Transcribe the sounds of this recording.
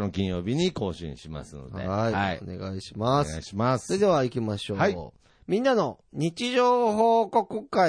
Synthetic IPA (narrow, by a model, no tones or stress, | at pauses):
nokʲĩjo̞ːbʲiɲ̟iko̞ːɕḭ̃ɕima̰sɨno̞̰dh̪e̞aione̞̰ɡa̰iɕi̥masɕimassoɾed̪e̞β̞aikʲimaɕo̞a | mʲĩnːano̞ | ɲ̟it͡ɕiʑoːɦo̞ːko̞kɯka